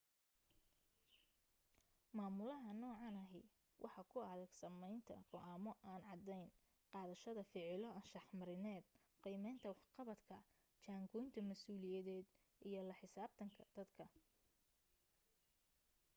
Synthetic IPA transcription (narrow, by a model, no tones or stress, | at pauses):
maːmʊlɐɦɐnɔːʕɑnɐɦɪ̰ | wʔɑ̰ħɑkʰʊɐðɐɡsɐmɛjnt̪ʰɐ̰ɡɔʔaːmɔʔaːnʕɑd̪ɛjn | qɑːðɐʃɐðɐfɪʕɪlɔɐnʃɑħmɐɾɪnɛːd̪̚ | qijmɛjnt̪ʰɐwɑħqɑβɐd̪kʰɐ | t͡ʃaːŋkʰɔjnt̪ʰɐmɐsuːlɪjɐðɛːd̪ | ʔijɞlɐħɪsaːb̚t̪ʰɐŋkʰɐd̪̥ɐd̪kʰɐ